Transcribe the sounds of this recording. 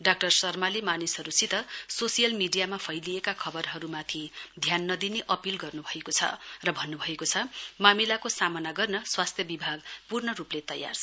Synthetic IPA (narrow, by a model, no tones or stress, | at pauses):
ɖak̚ʈʌrsʌrmalemanisʌɾusʰit̪ʌsosijʌlmiɖijamapʰʌjliekakʰʌbʌrɦʌɾumat̪ʰid̪ʱjanːʌd̪ineʔʌpilɡʌrnubʱʌekot͡sʰʌ̰rʌbʱʌnːubʱʌekot͡sʰʌmamilakosamʌnaɡʌrnʌswast̪ʰjʌbibʱaɡpurnʌɾuplet̪ʌjːa̰rsʰ